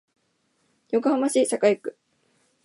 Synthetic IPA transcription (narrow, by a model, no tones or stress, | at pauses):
jo̞k̬ɯ̟hamaɕiːsakajikɯ̟̥